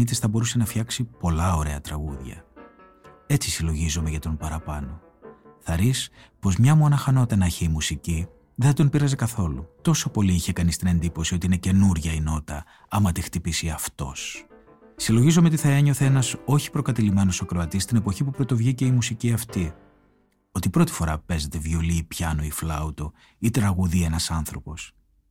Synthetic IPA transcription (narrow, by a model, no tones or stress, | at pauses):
it̪isθɐbo̞ɾuse̞nɐfçɐksipo̞lɐo̞ɾe̞ɐt̪ɾɐɣṵðʝɐ̰ | e̞t͡si̥silo̞ʝizome̞ʝɐt̪o̞mpɐɾɐpɐ̰no̞ | θɐɾis | po̞zmɲɐmuɐnɐxɐno̞t̪ɐnɐçeimusici | ðeθɐd̪ompiɾɐze̞kɐθo̞lut̪o̞so̞po̞liiçe̞kɐnist̪ine̞nd̪ipo̞sio̞t̪iine̞ce̞nuɾʝɐino̞t̪ɐ̰ | ɐmɐt̪ixt̪ipisiɐft̪o̞̰s | silo̞ʝizomeot̪iθɐe̞ɲo̞θeenɐso̞çi̥pɾo̞kɐt̪ilime̞no̞sɐkɾo̞ɐt̪ist̪ine̞po̞çipupɾo̞t̪o̞vʝice̞imusiciɐft̪i | o̞t̪ipɾo̞t̪i̥fo̞ɾɐpe̞ze̞t̪e̞vjo̞liːpçɐnoiflɐut̪o | it̪ɾɐɣuðienɐsɐnθɾo̞po̞s